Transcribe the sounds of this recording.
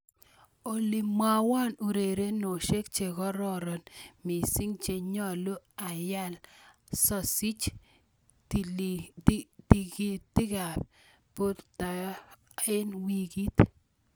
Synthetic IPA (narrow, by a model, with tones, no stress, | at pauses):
o˨li˨mːa˨wa˦nu˨ɾe˨ɾe˦no˨ʃe˦k̚t͡ʃe˨kɔ˦ɾɔ˦ɾɔ˨nmi˨si˦ŋt͡ʃe˨ɲɔ˦˨lo˦a˨ja˦lsɔ˦˨si˦t͡ʃ | ti˨ɡi˦tɪ˦ɡa˨p | po˦d̪ta˨˦ | ɪ˦nwi˨ɡi˦t̪